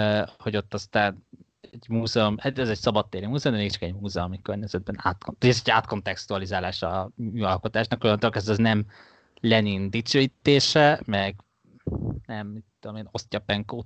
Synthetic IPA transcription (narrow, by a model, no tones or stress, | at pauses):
ho̞ɟo̞t̪ːɒst̪aːn | ɛɟmuːzɛomhat̪ɛzɛcsɒbɒt̪ːeːɾimuːzɛomd̪ɛmeːkt͡ʃɒkɛɟmuːzɛomikørɲɛzɛd̪̚bɛnaːt̪konɛzɛɟaːt̪ko̞nt̪ɛkst̪uɒlizaːlaːʃɒyːɒlko̞t̪aːʃnɒkojɒnt̪olkɛzɛznɛm | lɛnind̪it͡ʃøːjit̪ːeːʃɛmɛɡ | nɛmːit̪ːud̪omeːno̞st̪ʲɒpɛŋkoːt̪